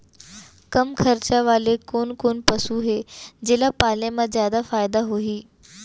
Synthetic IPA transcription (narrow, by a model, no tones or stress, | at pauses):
kəmkʰəɾt͡ɕaʋaːlekoːnkoːnpəsuɦed͡ʑelapalẽmazjaːd̪afaːjd̪aɦoɦiː